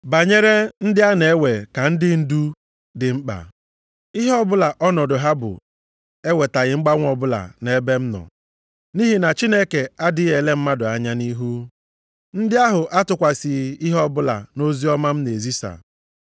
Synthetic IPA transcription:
ba˨ɲe˦ɾe˦n̩˦dɪ˦a˦ne˨˦we˨ka˨n̩˦dɪ˦n̩˦du˦ | dɪ˨ŋ͡m̩˦k͡pa̰˨ | ɪ˦ɦɔ˦bʊ˦la˨ʔɔ˦nɔ˨dʊ˨ɦa˦bʊ̰˨ | e˦we˨ta˨ɣɪ˨ŋ͡m̩˦ɡ͡ba˦ŋʷ˦ɔ˨bʊ˦la̰˨ne˦be˦m̩˦nɔ̰˨ | ni˦ɦi˨na˨t͡ʃi˦ne˦ke˨a˦dɪ˦ɣe˨le˦m̩˦ma˦dʊ˨a˨ɲa˦ni˦ɦu˦ | n̩˦dɪ˦a˦ɦʊ˨ʔa˦tʊ˨kʷa˨si˨ɪ˦ɦɔ˦bʊ˦la̰˨no˦zi˦ɔ˦ma˦m̩˦ne˨zi˦sa̰˨

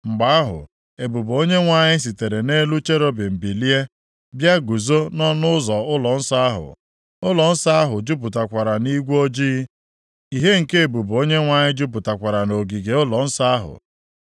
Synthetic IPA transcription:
ŋ͡m̩˨ɡ͡ba˨˦a˦ɦʊ̰˨ | e˨bu˨bo˦ɲe˦ŋʷa˨ɲɪ˦s̬i˨te˨ɾe˨ne˦lu˦t͡ʃe˦ɾo˦bɪ˨m̩˨bi˨li˦e˦ | bja˦ɡu˨zo˦nɔ˦nʊ˦ʊ˦zɔ˨ʊ˦lɔ˨n̩˦sa˦a˦ɦʊ̰˨ | ʊ˦lɔ˨n̩˦sa˦a˦ɦʊ˨d͡ʒu˦p̬ʊ˨ta˨kʷa˨ɾa˨ni˦ɡʷo˦d͡ʒi˦ | i˨ɦe˦ŋ̩˨ke˦e˨bu˨bo˦ɲe˦ŋʷa˨ɲɪ˦d͡ʒu˦p̬ʊ˨ta˨kʷa˨ɾa˨no˨ɡi˨ɡe˨ʊ˦lɔ˨n̩˦sa˦a˦ɦʊ̰˨

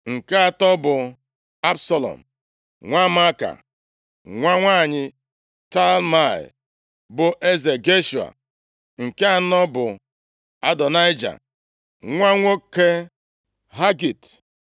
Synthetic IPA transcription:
ŋ̩˨ke˦a˨tɔ˦bʊ˨ | a˦bsɔ˨lɔ̰˨m̩ | ŋʷa˦ma˦ka̰˨ | ŋʷa˦ŋʷaː˦˨ɲɪ˨ | ta˦lma˦˨ɪ̰˨ | bʊ˨ʔe˦ze˨ɡe˦ʃu˨a̰˨ | ŋ̩˨ke˦a˨nɔ˦bʊ˨ | a˦dɔ˨na˦jd͡ʒa̰˨ | ŋʷa˦ŋʷo˦ke˦ | ɦa˦ɡi˨t

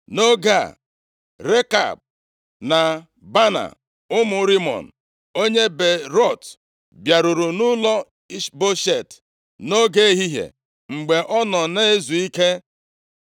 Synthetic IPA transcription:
no˦ɡa˦˨ | ɾe˦ka̰˨b̚ | na˨ | ba˦na̰˨ | ʊ˦mʊ˨˦ɾi˦mɔ̰˨n̩˨ | o˦ɲe˦be˨ɾɔ˦˨t | bja˨ɾʊ˨ɾu˨nʊ˦lɔ˦ | i˦ʃbo˦ʃe˦˨t | no˦ɡe˦e˦ɦi˦ɦḛ˨ | ŋ͡m̩˨ɡ͡be˨ʔɔ˦nɔ˨ne˦e˦zu˨i˦ke˦

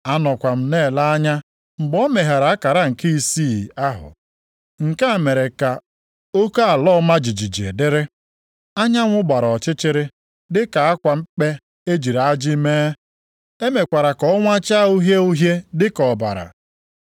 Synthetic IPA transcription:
a˦nɔ˨kʷa˨m̩˦ne˦˨la˦a˦ɲa˦ | ŋ͡m̩˨ɡ͡bɔ˦me˨ɦa˨ɾa˨a˦ka˨ɾa˦ŋ̩˨ki˦i˦si˦˨a˦ɦʊ̰˨ | ŋ̩˨ka˦˨me˨ɾe˨ka˨ | o˦ka˦a˨lɔ˦ma˦d͡ʒi˨d͡ʒi˨d͡ʒḛ˨dɪ˦ɾɪ˦ | a˦ɲa˦ŋʷʊ˦ɡ͡ba˨ɾɔ˨t͡ʃɪ˦t͡ʃɪ˦ɾɪ˦ | dɪ˦ka˨a˦kʷa˨m̩˦k͡pe˦ | e˦d͡ʒi˨ɾa˨a˦d͡ʒɪ˦meː˦ | e˦me˨kʷa˨ɾa˨kɔ˦ɔ˦ŋʷa˦t͡ʃa˦u˦ɦje˦u˦ɦje˦dɪ˦kɔ˨ba̰˨ɾa̰˨

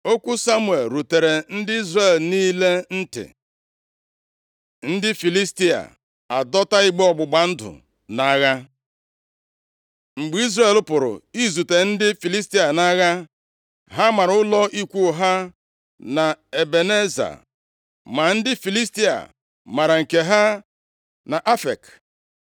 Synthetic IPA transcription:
o˦kʷu˦sa˦mwe˨lɾu˨te˨ɾe˨n̩˦dɪ˦i˦zre˦e˨lniː˦le˦n̩˦tɪ̰˨ | n̩˦dɪ˦fi˨li˦sti˦a̰˨ | a˨dɔ˦ta˦i˦ɡ͡bɔ˨ɡ͡bʊ˨ɡ͡ba˨n̩˦dʊ̰˨ | na˨˦ɣa˦ | ŋ͡m̩˨ɡ͡bi˦zre˨lʊ˦pʊ˨ɾʊ̰˨i˦zu˨te˨n̩˦dɪ˦fi˨li˦s̬ti˦a˨na˦ɣa˦ | ɦa˦ma˨ɾʊ˦lɔ˦ʔi˦kʷu˦˨ɦa˦ | na˨e˨be˨ne˦za̰˨ | ma˨n̩˦dɪ˦fi˨li˦sti˦a̰˨ | ma˨ɾa˨ŋ̩˨ke˨ɦa˦ | na˨ʔa˦fe˨k

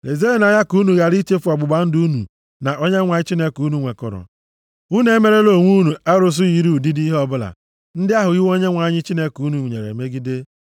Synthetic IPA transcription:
le˨ze˦e˨na˨ɲa˦ku˦nu˨ɣa˨ɾi˦t͡ʃe˦fu˨ɔ˨ɡ͡bʊ˨ɡ͡ba˨n̩˦du˦nṵ˨ | na˨ʔo˦ɲe˦ŋʷa˨ɲɪ˦t͡ʃi˦ne˦ku˦nu˦ŋʷe˨kɔ̰˨ɾɔ̰˨ | u˦ne˦me˨˦ɾe˦lo˨ŋʷu˦nu˨a˦ɾʊ˦s̬ʊ˦ji˨˦ɾu˦˨di˦di˦ɦɔ˦bʊ˦la̰˨ | n̩˦dɪ˦a˦ɦʊ˨i˦wo˦ɲe˦ŋʷa˨˦ɲɪ˦t͡ʃi˦ne˦ku˦nu˨ɲḛ˨ɾḛ˨me˦ɡi˦de˦

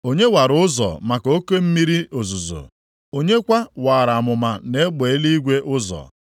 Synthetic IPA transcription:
o˦ɲe˦wa˨ɾʊ˦zɔ̰˨ma˨ko˦ke˦m̩˦mi˦ɾi˦o˨zu˨zo̰˨ | o˦ɲe˦kʷa˦waː˨ɾa˨a˨mʊ˨ma˨ne˦ɡ͡be˨e˦li˦i˦ɡʷe˦ʔʊ˦zɔ̰˨

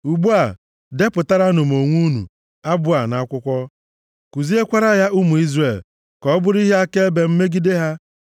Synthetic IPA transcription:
u˨ɡ͡bu˦a˨ | de˦pʊ˨ta˦ɾa˦nʊ˨m̩˨o˨ŋʷu˦nṵ˨ | a˦bʊ˦a˨na˨˦kʷʊ˦kʷɔ˦ | ku˨zi˦e˦kʷa˦ɾa˦ja˦ʔu˦mu˨i˦zre˨l | kɔ˦ɔ˦bʊ˦ɾi˦ɦe˦a˦ke˦e˦be˨m̩˦me˦ɡi˦de˦ɦa˦

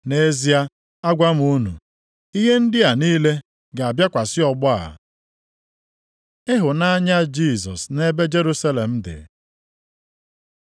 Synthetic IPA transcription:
ne˦zi˦a˦ | a˦ɡʷa˦m̩˦u˦nṵ˨ | i˦ɦe˦n̩˦dɪ˦a˨niː˦le˦ | ɡa˨a˨bja˦kʷa˨sɪ˦ɔ˨ɡ͡bʊ˦a̰˨ | ɪ˦ɦʊ˨na˦ɲa˦d͡ʒi˦˨s̬ɔ̰˨sne˦be˦d͡ʒe˦ɾu˦sa˦le˨m̩˦dɪ̰˨

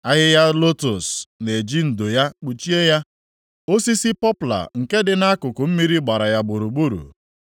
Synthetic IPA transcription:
a˦ɦɪ˦ja˦lo˦to˨sne˨d͡ʒi˦n̩˨do˨ja˦k͡pu˨t͡ʃi˦e˦ja˦ | o˦si˦si˦pɔ˦pla̰˨ŋ̩˨ke˦dɪ˨na˦kʊ˨kʊ˨m̩˦mi˦ɾi˦ɡ͡ba˨ɾa˨ja˦ɡ͡bʊ˨ɾu˨ɡ͡bu˦ɾṵ˨

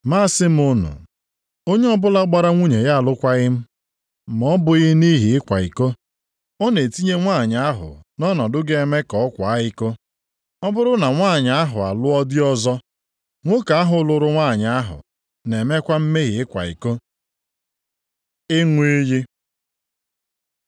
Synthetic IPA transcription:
maː˦sɪ˦m̩˦ʊ˦nʊ̰˨ | o˦ɲe˦ɔ˦bʊ˦la˦ɡ͡ba˦ɾa˦ŋʷu˦ɲe˨ja˦a˨lʊ˦kʷa˦ɣɪ˦m̩˦ | m˨ɔ˦bʊ˨ɣɪ˦ni˦ɦi˨ɪ˦kʷa̰˨ḭ˨ko˦ | ɔ˦ne˨ti˦ɲe˦ŋʷaː˦˨ɲa˨a˦ɦʊ̰˨nɔ˦nɔ˨dʊ˦ɡe˦˨e˦me˦kɔ˨˦kʷa˨a˦ɪ˦ko˦ | ɔ˦bʊ˦ɾʊ˦na˨ŋʷaː˦˨ɲa˨a˦ɦʊ˨a̰˨lʊ˦ɔ˦dɪ˦ɔ˦zɔ˦ | ŋʷo˦ka˨a˦ɦʊ˨˦lʊ˨ɾʊ˦ŋʷa˦˨ɲ˨a˦ɦʊ̰˨ | ne˨me˦kʷa˦m̩˦me˦ɣɪ˨ɪ˦kʷa̰˨ḭ˨ko˦ | ɪ˦ŋʷe˦ji˦

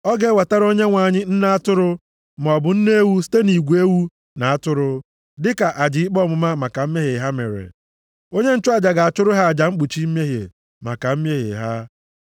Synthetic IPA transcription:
ɔ˦ɡe˨˦wa˨ta˦ɾo˦ɲe˦ŋʷa˨ɲɪ˦n̩˦na˦a˦tʊ˦ɾʊ˦ | m˨ɔ˨bʊ˨n̩˦ne˦wu˦si̥˦te˦ni˨ɡʷe˦wu˦ | na˨a˦tʊ˦ɾʊ˦ | dɪ˦ka˨ʔa˨d͡ʒɪ˨ɪ˦k͡pɔ˦˨mʊ˨ma˦ma˨ka˨m̩˦me˦ɦe˨ɦa˦mḛ˨ɾḛ˨ | o˦ɲe˦n̩˦t͡ʃʊ˦a˦˨d͡ʒa˨ɡa˨a˨t͡ʃʊ˦ɾʊ˦ɦa˦a˨d͡ʒa˨ŋ͡m̩˦k͡pu˨t͡ʃi˦m̩˦m˦e˦ɦjḛ˨ | ma˨ka˨m̩˦m˦e˦ɦḛ˨ɦa˦

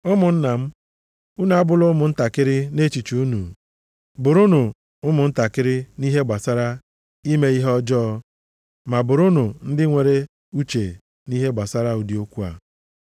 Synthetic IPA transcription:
ʊ˦mʊ˨n̩˦na˨m̩˦ | u˦n˨a˦bʊ˦lʊ˦mʊ˨n̩˦ta˨kɪ˦ɾɪ˦ne˦t͡ʃi˨t͡ʃu˨u˦nṵ˨ | bʊ˨ɾu˦nu˨ | ʊ˦mʊ˨n̩˦ta˨kɪ˦ɾɪ˦ni˦ɦe˦ɡ͡ba˨sa˦ɾa˦ | i˦me˦i˦ɦɔ˦d͡ʒɔ˦ | ma˨bʊ˨ɾu˦nu˨n̩˦dɪ˦ŋʷe˨ɾe˦ | u˦t͡ʃe˨ | ni˦ɦe˦ɡ͡ba˨sa˦ɾa˦u˨di˨o˦kʷu˦a̰˨

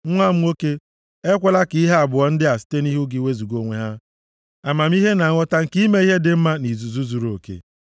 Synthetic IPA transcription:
ŋʷa˦˨m̩˦o˦ke˦ | e˦kʷe˦la˦ki˨˦i˦ɦa˦a˨bʊ˨ɔ˦n̩˦dɪ˦a˨si̥˦te˦ni˦ɦu˦ɡɪ˦we˦zu˨ɡo˨ŋʷe˨ɦa˦ | a˨ma˨m̩˦i˦ɦe˦na˨ŋʷɔ˦ta˦ŋ̩˨ki˦me˦i˦ɦe˦dɪ˨m̩˦ma˦ni˨zu˨zu˦zu˨ɾo˨kḛ˨

